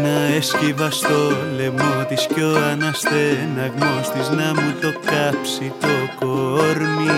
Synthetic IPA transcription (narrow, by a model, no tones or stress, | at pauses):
naeskiβast̪olemot̪iskjoanast̪enaɣmost̪isnamut̪okapsit̪okooɾmi